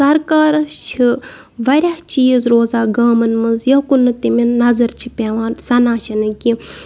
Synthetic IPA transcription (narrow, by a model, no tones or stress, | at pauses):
sɐɾkaːɾt͡ʃʰi | ʋɐɾʲaht͡ʃiːzɾoːzaːɡaːmɐnmɐnzjɐkunːɨt̪iminnɐzɐɾt͡ʃʰi̥pʲeʋãːnsɐnãːʃʰinɨki